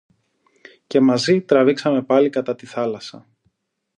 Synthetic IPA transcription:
ce̞mɐzit̪ɾɐviksɐme̞pɐlikɐt̪ɐt̪iθɐlɐsɐ̰

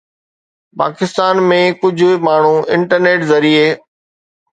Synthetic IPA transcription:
pa̰ːkɪst̪aːnmẽkʊd͡ʑʱmaːɳ̤ũɪ̃ɳʈəɾneːʈzɐɾieː

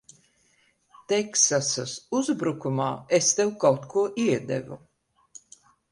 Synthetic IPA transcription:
t̪ɛksasasuzbɾukumaːest̪ewkawt̪kʰuɔʔiɛd̪ɛ̰vṵ

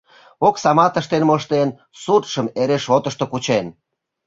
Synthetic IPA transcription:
oksɑmɑt̪əʃt̪enmoʃt̪en | sut̪ʃəmeɾeʃot̪əʃt̪okut͡ɕen

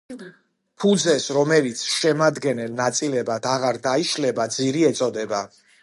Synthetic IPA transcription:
pʰud̪zɛsɾɔmɛlit̪sʰʃɛmad̪ɡɛnɛlnat̪sʼilɛbad̪aʁaɾd̪aiʃlɛbad̪ziɾiɛt̪sʼɔd̪ɛba

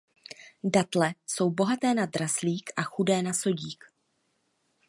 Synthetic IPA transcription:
dat̪lɛso̞wbo̞ɦat̪ɛːnad̪ɾasliːkʔaxudɛːnaso̞ɟiːk

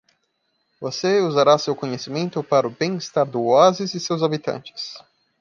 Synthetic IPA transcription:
voseuzaɾasewkõɲesimẽnt̪ʊpaɾʊbẽj̃ɪst̪aɾd̪ʊoazɪzɪsewzabit̪ɐ̰̃nt͡ʃɪ̥s

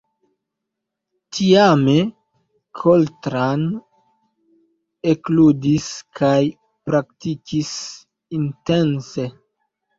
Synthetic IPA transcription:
tʰiame̞ | kʰoltɾan | ekludiskʰaj | pɾaktikʰis | inte̞nse

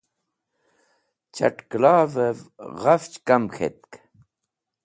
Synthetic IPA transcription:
t͡ɕʰa̰ʈklɑːvəvɣaft͡ɕkɐmxʰḛt̪̚k

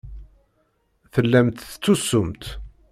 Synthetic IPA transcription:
θəlːæmt̪t͡sːusːʊmt̪

